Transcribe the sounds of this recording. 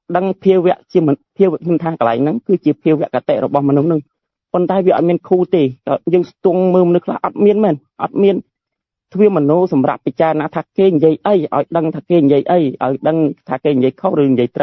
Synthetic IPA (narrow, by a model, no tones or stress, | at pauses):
ɗəŋpʰiəʋɛ̆əʔt͡ɕiəmpʰiəwʋɛəʔkʰɲʊmt̪ʰaːkəlaɛŋnɨŋkɨːt͡ɕiəpʰiəwʋːɛ̆əʔkat̪eʔrɔɓɑhmɔnuhnɨŋ | pont̪aɛʋiəʔt̪̚miənkʰuːt̪eːkːjəːŋst̪ŭəŋməːlmonɨhkʰla̰hʔɑt̪̚miənmɛːn | ʔɑ̰t̪̚miən | t̪ʰʋiəmɔnuːsɑmra̰p̚pːət͡ɕaərnaːt̪ʰaːkeːɲjiəjʔəjʔa̰ɔjɗəŋt̪ʰaːkeːɲjiəjʔəjʔa̰ɔjɗəŋt̪ʰaːkeːɲjiəjkʰorɨːnjiəjt̪rə